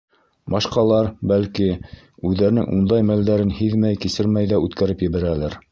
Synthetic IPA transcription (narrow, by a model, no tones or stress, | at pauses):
bɑʃqɑlˠɑɾbælki | ʉðːæɾnɘ̰ŋʔund̪ɑjmæld̪æɾɘnhiðmæjkisɘɾmæjðæʉt̪kæɾɘpjɘ̆βæɾælæɾ